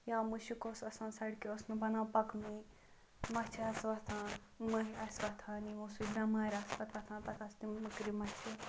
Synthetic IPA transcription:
jaːmuʃikoːsɐsãːnsɐɽkiosnɨbɐnãːpɐkmi | mɐt͡ʃʰiɐsʋɐt̪ʰãː | mɨɦiɐsʋɐt̪ʰãːnimusudnãːmaːɾʲaspɐt̪ɐt̪ʰãːpɐt̪ɐst̪imɨkɾimɐt͡ʃʰi

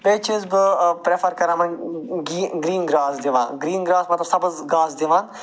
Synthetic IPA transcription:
peːt͡ʃʰizbɨpɾefʰɐɾkɐɾãːmɐnɡiːɡɾiːnɡɾaːsd̪iʋã̰ːɡɾiːnɡɾaːsmɐt̪lɐbsɐbɐzɡaːzd̪iʋãːn

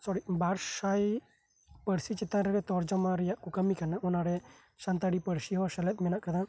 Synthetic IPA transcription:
sɔɾibaːɾʃaj | pəɽsit͡ʃɪt̪ãɾəɾɛt̪ɔɾd͡ʒɔmãɾijaʔkukəmːikanaʔʊnaɾɛ | ʃãnt̪aɽipəɽsiɦɔsələt̪̚mɛnaʔkəd̪ã

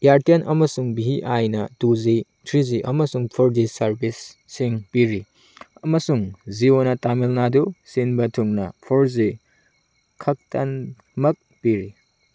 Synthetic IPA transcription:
jaɾtenʔɐmɐsuŋbiɦiʔajnɐtuzi | tʰɾiziʔɐmɐsuŋpʰɔɾzisɐɾbisː | iŋpiɾi | ɐmɐsuŋzionɐtamilnadusinbɐtʰuŋnɐpʰoɾzi | kʰɐk̚tɐn | mɐk̚piɾi

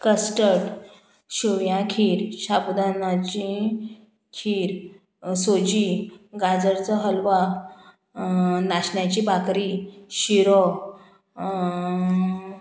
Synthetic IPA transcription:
kəsʈəʈ | ɕuʋjãkʰiːɾɕapd̪anat͡ɕĩ | kʰiɾ | sod͡ʑiɡad͡zəɾt͡səɦəlʋa | naɕɳjat͡ɕibʱakɾiɕiɾɔ

